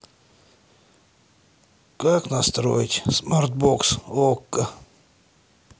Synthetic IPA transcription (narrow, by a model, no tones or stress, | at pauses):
kaknast̪ɾo̰jtʲsmart̪̚boksokːə